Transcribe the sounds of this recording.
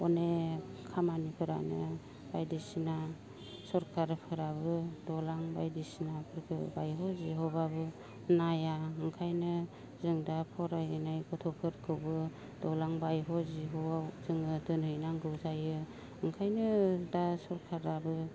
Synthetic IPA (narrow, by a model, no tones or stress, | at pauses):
ɔnekʰamanipʰɯɾa̰nɯ | bajdisina | sɔɾkʰaɾpʰɯɾabɯdɔlaŋbajdisinapʰɯɾkʰɯ̰bajɦɔziɦɔbabɯ | najaɯŋkʰajnɯ | zɯŋdapʰɔɾajɯnajkɔtʰɔkʰɯɾkʰɯwbɯ | d̥ɔlaŋbajɦɔziɦoazɯŋɯdɯnhɯjnaŋɡɯwzajɯ | ɯŋkʰajnɯdasɔɾkʰaɾabɯ